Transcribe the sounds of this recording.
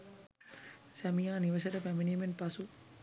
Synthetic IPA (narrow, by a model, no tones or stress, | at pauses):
sæmijaːniʋɐsɐʈəpæminiːmenpasu